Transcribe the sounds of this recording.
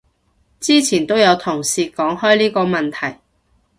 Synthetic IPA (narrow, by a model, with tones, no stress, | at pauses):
t͡siː˥t͡sʰiː˨˩nt̪o˥wjɐ˨˧wt̪ʰʊ˨˩ŋsiː˧kɔː˨˥ŋhɔː˥jliː˥kɔː˧mɐ˨nt̪ʰɐ˨˩j